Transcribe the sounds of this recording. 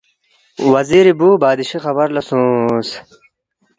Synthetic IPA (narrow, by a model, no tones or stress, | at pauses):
wɐziːɾibuːbaːd̪iɕixɐbɐɾlɐsũs